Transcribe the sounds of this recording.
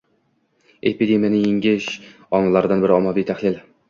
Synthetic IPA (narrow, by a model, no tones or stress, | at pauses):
epid̪emijanɪjeŋɡʲɪʃ | ɒnlaɾd̪anbɪɾɪɒmːavijt̪ʰahlɪl